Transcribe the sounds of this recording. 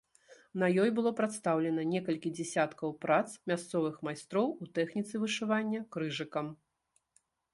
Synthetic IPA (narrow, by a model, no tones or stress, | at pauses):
nɐjɔjbɨlˠɔpɾat̪st̪awlʲɛnɐnʲɛkɐlʲkʲid͡zʲɛsʲat̪kɐwpɾat̪smʲast̪sɔvɨxmajst̪ɾɔwut̪ɛxnʲit̪sɨvɨʂɨvanʲːɐkɾɨʐɨkɐm